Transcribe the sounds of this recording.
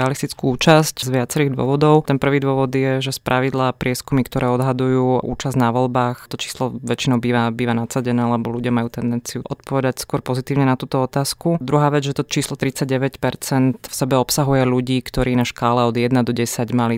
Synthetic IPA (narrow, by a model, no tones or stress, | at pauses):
ɛalist̪it͡skuuːt͡ʃasczʋɪat͡sɛɾiːɣd̪ʊɔ̰ʋɔd̪ɔʊt̪ɛnpr̩ʋiːd̪ʊɔʋɔd̪jɛʒɛspɾʔaʋid̪lapɾɪɛskumikt̪ɔɾɛːɔd̪ɦad̪ujuːʔṵːt͡ʃazd̪naʋɔlbaːxt̪ɔt͡ʃi̥ːslɔʋɛt͡ʃinɔʊbiːʋabiːʋanat͡saɟɛnɛːlɛbɔlʲuɟɪamajuːt̪ɛnd̪ɛnt͡sijuʔɔt̪pɔʋɛd̪acskʊɔɾpɔzit̪iːʊɲɛnat̪uːt̪ɔɔt̪aːskud̪ɾuɦaːʋɛd͡zʒɛt̪ɔt͡ʃiːslɔt̪ɾit͡saɟ̚ɟɛʋɛcpɛɾt͡sɛnt̪fsɛbɛɔpsaɦujɛluɟiːkt̪ɔɾiːnaʃkaːlɛɔd̪jɛd̪nad̪ɔɟɛsaɟmali